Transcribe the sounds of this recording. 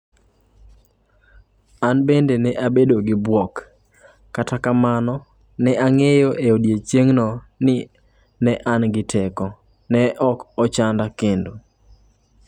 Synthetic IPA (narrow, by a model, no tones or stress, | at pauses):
anbendenɛʔabedoɡɪbwɔkː | atakamanɔ | nɛaŋejoʔeodjet͡ʃeŋnɔ | nɪ | nɛʔanɡɪtʰɛkɔ | nɛʔɔkɔt͡ʃandakendo